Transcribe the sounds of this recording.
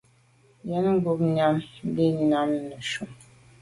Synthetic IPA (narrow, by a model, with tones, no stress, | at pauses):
jɛ˦n˦m̩˦bu˦bɲa˦m˦bi˦ɲ˦na˦m˦nə˨ʃu˨m